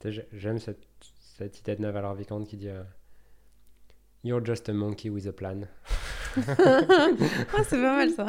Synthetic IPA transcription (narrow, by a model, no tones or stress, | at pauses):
sɛʒʒɛmsɛt̪sɛt̪id̪ed̪navalɔʁvikɑ̃t̪kʲid̪iø | juʁd͡ʒast̪əmɔ̃ŋkʰʲiwizəplan | asɛpamalsa